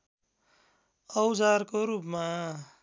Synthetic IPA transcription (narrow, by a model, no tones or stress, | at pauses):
ʌwd͡zarkoɾupma